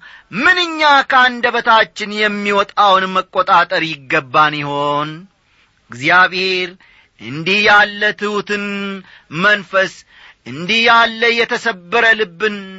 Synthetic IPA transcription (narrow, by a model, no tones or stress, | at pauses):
mɨnɨɲːakʰəand̪əβət̪ʰat͡ʃːɪnjɛmːiwɔt̪ʼawnməkʼːot̪ʼat̪ʼəɾjɪɡːəbːanjɪho̞n | ɡzjaβhe̞ɾ | ʔɨnd̪ihjalːət̪ʰɨut̪ʰɨn | mənfəs | ɨnd̪ihjalːəjɛt̪ʰəsəbːəɾəlɨbːɨn